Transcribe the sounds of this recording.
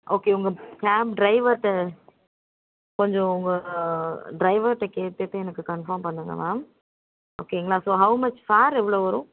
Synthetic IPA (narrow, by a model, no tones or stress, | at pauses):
ʔoːkeːʊŋɡɐkaːmɖɾɐɪʋɐɾʈːɐ | kɔɲd͡ʒõʊŋɡɐ | ɖɾɐɪʋɐɾʈːɐkeːt̪ːeːt̪ːɯɛnɐkːɯkɐɳfɐɾmpɐɳːɯŋɡɐ̰maːm | oːkeŋɡɐlãːsoːɦɐʊmɐt͡ʃfaːɾɛʋːɪɭoːʋɐɾũ